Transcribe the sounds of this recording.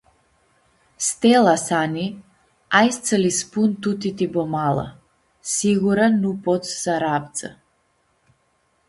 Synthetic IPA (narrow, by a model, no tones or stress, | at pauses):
st̪ɛlˠasani | ajst̪səlispunt̪ut̪it̪ibɔmalˠa̰ | siɡuɾanːupɔt̪ssaɾapt̪sa